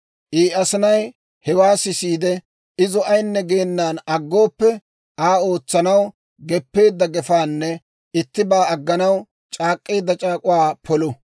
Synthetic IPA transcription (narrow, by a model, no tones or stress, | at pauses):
ʔiːɐsɪnɐj | hɛwaːsɪsiːd̪ɛ | ɪzɔʔɐjnːɛɡe̞ːnːaːnɐɡːo̞ːpːɛ | ʔaːo̞ːt͡sːɐnɐw | ɡɛpːe̞ːd̪ːɐɡɛfaːnːɛ | ɪt̪ːɪbaːɐɡːɐnɐw | t͡ʃʼaːkʼːeːd̪ːɐt͡ʃʼaːkʼʊwaːpʰɔlɔ